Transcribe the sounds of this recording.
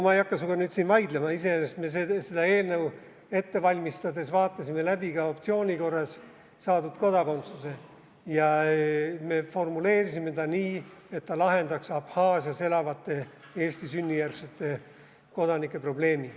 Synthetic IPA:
mɑejɑkːɑsukɑnyːd̪sinvɑjd̪lemɑise̞enest̪mesese̞d̪̥ɑe̞ːlnəw | e̞t̪ːe̞vɑlʲmist̪ɑd̪e̞svɑːt̪ːˑɑsime̞læbiɡ̥ɑo̞pt̪sio̞ːnʲiko̞rːɑsː | ɑːd̪ud̪ko̞d̪̥ɑko̞nt̪suse̞ | jɑ | me̞fo̞rmule̞ːɾisime̞t̪ɑniːe̞t̪ːɑlɑɦe̞nd̪̥ɑksɑphɑːsjɑse̞lɑvɑt̪ːe̞ | e̞ːsʲt̪isynʲːijærkset̪ːˑe̞ | ko̞d̪ɑnikˑːe̞pro̞ble̞ːmi

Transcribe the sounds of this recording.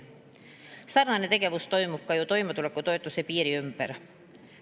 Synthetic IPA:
sɑrnɑnet̪e̞keʋust̪o̞jmukːɑjot̪o̞jmɑt̪ulekːot̪ojt̪ːusepiːɾiympæ̰ɾ

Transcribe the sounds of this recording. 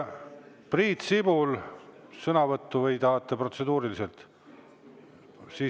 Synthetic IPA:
priːt̪sib̥ulsɤnɑvɤt̪ˑːuvɤjd̪ɑːt̪ːˑɑpro̞t̪se̞d̪uːɾilise̞lt̪ | siː

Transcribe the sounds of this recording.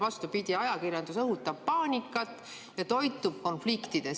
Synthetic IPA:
vɑst̪upid̪̥ʲiɑjɑkirjɑnd̪̥usɤɦut̪ːˑɑbpɑːnʲikːˑɑt̪ːˑ | jɑt̪o̞jt̪ːˑub̥̚ko̞nflikt̪id̪̥e

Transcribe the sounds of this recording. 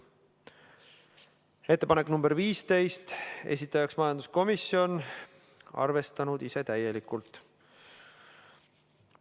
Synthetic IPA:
e̞t̪ːe̞pɑnekːnumb̥e̞ɾviːst̪e̞jst̪e̞̰s̬ʲit̪ːˑɑjɑksmɑjɑnd̪̥u̥sko̞misːio̞n | ɑ̰rve̞st̪ɑnud̪̥ise̞t̪æje̞likːult̪ˑ

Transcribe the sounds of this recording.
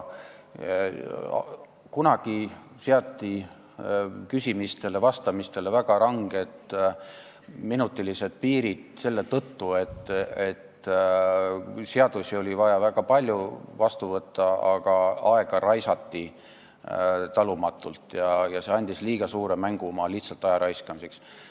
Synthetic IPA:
kunɑɡ̥i | seɑt̪ˑːi | kysʲimist̪e̞le̞vɑst̪ɑmist̪e̞le̞væɡ̥ɑɾɑŋɡ̥e̞t̪ | minut̪ːˑilise̞d̪̥̚piːɾid̪̥se̞lːe̞t̪ɤt̪ːue̞t̪et̪ | se̞ɑd̪̥usio̞lʲivɑjɑvæɡ̥ɑpɑlʲjuvɑst̪uvɤt̪ːˑɑɑɡɑɑe̞ɡ̥ɑɾɑjsɑt̪ːi | t̪ɑlumɑt̪ːˑult̪ˑjɑjɑse̞ɑnʲd̪̥isliːɡ̥ɑsuːɾe̞mæŋɡ̥umɑliht̪sɑlt̪ːˑɑjɑɾɑjskɑmiseks

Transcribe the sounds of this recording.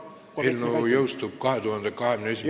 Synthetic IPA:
elnojoust̪ukkɑhet̪uhɑnd̪ɑkɑhemneesi

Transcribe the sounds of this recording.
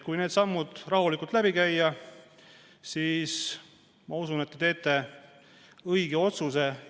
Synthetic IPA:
kujne̞ːd̪sɑmːud̪̥rɑɦulikːˑult̪læbikæjːɑ | siːs | mɑusunet̪ːet̪e̞ːt̪ːe̞ | ɤjɡ̥eo̞t̪suse̞

